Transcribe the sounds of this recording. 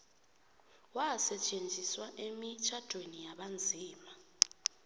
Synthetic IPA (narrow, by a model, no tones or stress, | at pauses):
wasɛt͡ʃʼend͡zʱiswaʔemit͡ʃʰad̥ʱwenijaɓand͡zʱiːma